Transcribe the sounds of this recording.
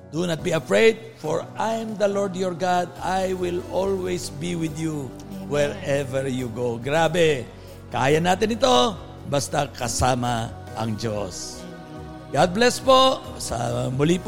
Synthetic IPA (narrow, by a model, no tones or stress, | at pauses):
d̪̥unɐt̪̚biɐfɹejd̪̚fɔɹajmd̪ɐlɔɹd̪jɔɹɡad̪ajwɪlolwɛjsbiwɪd̪ju | wɛɹɛvɛɹjuɡowɡɾaːbɛ | kɐʔaːjɐnaːt̪ɪnɪt̪o̞ | bast̪akɐsaːma | ʔɐŋd͡ʒo̰s | ɡad̪̚blɛsposɐ̰mʊlip